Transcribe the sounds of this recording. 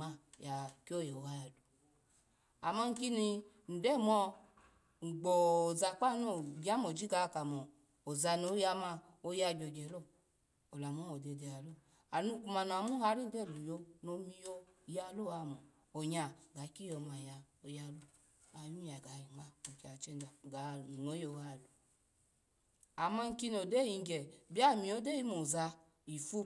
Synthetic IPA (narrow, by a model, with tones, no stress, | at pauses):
ma˦ja˨ki˦o˦˨je˨o˨ha˦ja˨du˨ | a˨ma˦ŋ̩˨˦ki˦ni˧ | n̩˨dɛ˦˨mɔ˧ | ŋ͡m̩˨ɡ͡bo˨za˨k͡pa˦˨no˨ɡa˦mo˨d͡ʒi˦ɡa˧˨ka˨mɔ˨ | o˨za˧no˨˦ja˧˦ma˧ | o˧˦ja˧˨d͡ʒo˨d͡ʒe˨lo˦˨ | o˨la˨mo˦mo˨de˨de˨a˨lo˦˨ | a˨nu˦ku˨ma˨n˨a˨mu˦a˧˦ɾi˦dɛ˦˨lu˨jo˧no˨mi˦˧jo˦˨ja˧˦lo˦˨a˨mo˨ | o˨ɲa˨ɡa˨˦ki˦jo˨ma˨ja˨o˨ja˧˦lu˦ | a˨˦m˦i˦ja˨ɡa˨i˨ma˦o˨ka˨t͡ʃe˦nda˨ɡa˨no˨˦jo˨a˦˨lu˨ | a˨ma˦ŋ̩˦ki˦no˨de˦ji˨ŋ˦ɡɛ˨bi˦a˦˨mi˨o˦de˦ji˦mo˨za˧ | i˨fu˦